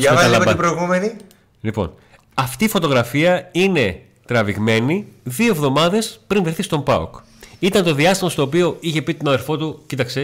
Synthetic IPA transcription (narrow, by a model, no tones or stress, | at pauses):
ɐɐɐlɐovɐipɾoiɣumeni | lipo̞̰n | ɐft̪iːfo̞t̪o̞ɣɾɐfiɐine̞ | t̪ɾɐviɣme̞niðioevðo̞mɐðe̞spɾinveθist̪o̞mpɐ̰o̰k | it̪ɐnt̪o̞ðiɐst̪imɐst̪o̞ːpio̞içe̞pit̪onɐðeɾfo̞t̪ucit̪ɐkse̞